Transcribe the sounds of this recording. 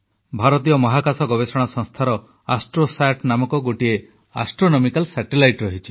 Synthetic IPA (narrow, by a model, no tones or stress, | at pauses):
bʱaɾɔt̪ijɔmɔɦakasɔɡɔbesɔɽ̃sɔ̃ŋst̪ʰaɾɔ | asʈɾosaʈnamɔkɔɡoʈie | asʈɾonɔmikalsaʈilajʈɾɔɦit͡ʃʰi̥